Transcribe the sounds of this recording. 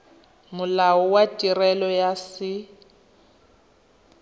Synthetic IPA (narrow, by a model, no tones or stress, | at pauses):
mʊlaɔwatʼirɛlɔjasɪ